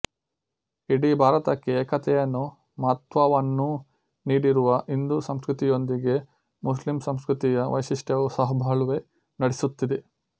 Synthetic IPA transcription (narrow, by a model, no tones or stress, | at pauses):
iɽibʱaːɾɐt̪ɐkːeːkɐt̪ʰɛjɐnːu | mɐt̪ʋaʋɐnːu | niːɽiɾuʋɐɦind̪uːɾsɐmskɾut̪ijo̞nd̪iɡe̞ | muslimsɐmskɾut̪ijɐʋɐ̰jsiʂʈɐʋusɐɦɐbʱɐɭuʋe | nɐɽesut̪ːid̪e